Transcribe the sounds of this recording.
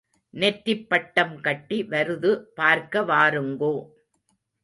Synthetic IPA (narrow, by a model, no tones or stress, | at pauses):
nɛt̪ːɪpːɐʈːɐmkɐʈːiʋɐɾɯðɯpaːɾkɐʋaːɾɯŋɡoː